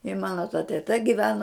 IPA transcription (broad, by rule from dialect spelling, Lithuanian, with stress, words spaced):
ɪ ˈmɑːnoː tɐ tʲɛˈtɐ ɡʲɪˈʋʲæːnoː